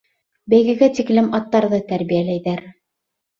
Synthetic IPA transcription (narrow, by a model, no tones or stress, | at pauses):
bæjɡɘ̆ɡæt̪iklɘmɑt̪ːɑɾðɤt̪æɾβijælæjðæɾ